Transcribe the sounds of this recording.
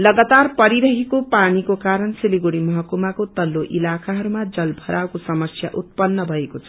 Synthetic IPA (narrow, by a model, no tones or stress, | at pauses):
lʌɡat̪arpʌɾiɾʌɦekopanikokaɾʌnsiliɡuɽimʌɦʌkumakot̪ʌlːoʔilakʰaɦʌɾumad͡zʌlbʱʌɾʔawkosʌmʌsja̰ʔut̪̚pʌnːʌbʱʌekot͡sʰʌ̥